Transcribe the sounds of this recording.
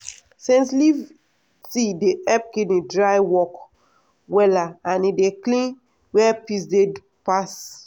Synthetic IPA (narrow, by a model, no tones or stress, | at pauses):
sĩnsliv | tideʔɛp̚kĩdĩdɹajwɔk | wɛlaãnideklĩn | wɛpisde | pas